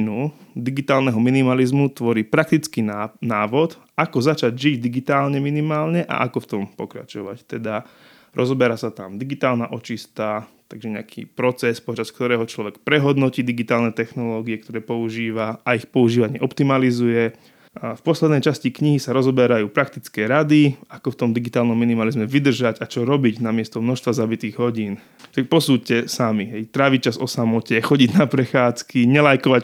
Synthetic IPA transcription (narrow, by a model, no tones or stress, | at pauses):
nud̪iɡit̪aːlnɛɦɔminimalizmut̪ʋɔɾiːpɾakt̪it͡skinaːʋɔt̪ | akɔzat͡ʃaɟʒiɟd̪iɡit̪aːlɲɛminimaːlɲɛʔa̰ʔakɔft̪ɔmpɔkɾa̰t͡ʃɔʋa̰ct̪ɛd̪a | ɾʔɔzɔbɛɾasat̪amd̪iɡit̪aːlnaʔɔt͡ʃist̪a | t̪aɡʒɛɲɛakʰḭːpɾɔt͡sɛspɔt͡ʃaskt̪ɔɾɛːɦɔt͡ʃlɔʋɛkpɾɛɦɔd̪nɔciːd̪iɡit̪aːlnɛt̪ɛxnɔlɔːɡiɛk̚t̪ɔɾɛːpɔuʒiːʋaaixpɔuʒiːʋaɲɪɛʔɔpt̪imalizujɛ | fpɔslɛd̪nɛjt͡ʃascikɲiɦisaɾɔzɔbɛɾajuːpɾak̚t̪it͡skɛːɾad̪iakɔft̪ɔmd̪iɡit̪aːlnɔmːinimalizmɛʋid̪r̩ʒaɟat͡ʃɔɾɔbiɟnamɪɛst̪ɔmnɔxʃst̪ʋazabit̪iːɣɦɔɟiːn | ʃakpɔsuːcɛsamiɦɛjt̪ɾaːʋic̚t͡ʃazɔ̰samɔcɛxɔɟiɟnapɾɛxaːt͡skiɲɛlajkɔʋac